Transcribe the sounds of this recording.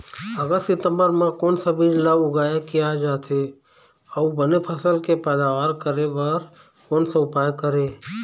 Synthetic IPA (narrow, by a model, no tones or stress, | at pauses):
əɡəst̪sɪt̪ə̃mbəɾmãkoːnsəbʱid͡ʒlaʊɡaːjakɪjad͡ʒaːt̪ʰe | əubənepʰəsəlkepɛːd̪aːʋaːɾkəɾeʋəɾ | koːnsəʊpaːjkəɾeː